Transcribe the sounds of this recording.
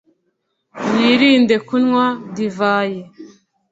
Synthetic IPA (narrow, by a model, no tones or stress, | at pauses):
jiɾiːnde̞kunŋwadivaːje